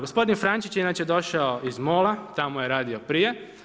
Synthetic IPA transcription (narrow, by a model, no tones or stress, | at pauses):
ɡospo̞d̪infɾant͡ʃit͡ʃjeinaːt͡ʃjed̪o̞ʃaoizmoːlat̪amoje̞ɾaːd̪iopɾije̞